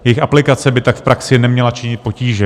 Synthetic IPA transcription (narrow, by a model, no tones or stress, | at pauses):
jɛjɪxʔaplɪkat͡sɛbɪt̪akfpɾʔaksɪnɛmɲɛlat͡ʃɪɲɪt̪̚po̞ciːʒɛ